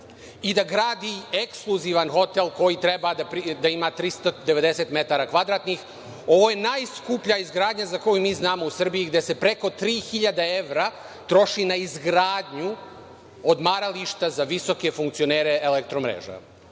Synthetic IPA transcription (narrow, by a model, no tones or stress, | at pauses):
id̪aɡɾaːd̪ieksklˠuziːʋanxo̞t̪elˠko̞jit̪ɾe̞bad̪apɾid̪aimat̪ɾist̪od̪eʋe̞d̪e̞se̞t̪me̞t̪aɾakʋad̪ɾaːt̪nix | o̞ʋo̞je̞naːjskupʎaizɡɾaːd̪ɲazako̞jumiːznaːmousr̩bijiɡd̪e̞se̞pɾe̞ko̞t̪ɾiːxiʎad̪ae̞ʋɾa | t̪ɾo̞ʃinaizɡɾaːd̪ɲu | od̪maɾaliʃt̪azaʋiso̞ke̞fuŋkt̪sioneːɾeelek̚t̪ɾomɾḛːʒa̰